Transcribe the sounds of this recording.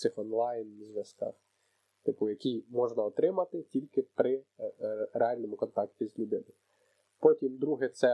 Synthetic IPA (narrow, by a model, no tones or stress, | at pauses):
sɪxɔnlˠɑjnzʲʋjɐskɑ̰x | t̪ɪpʊjɐkʲimɔʒnɐɔt̪ɾɪmɐt̪ɪtʲilʲkɪpɾɪ | ɾeɑlʲnɔmʊkɔnt̪ɑktʲizʲlʲʊd̪ɪnɪ | pɔtʲimd̪ɾuɦɛt̪sɛ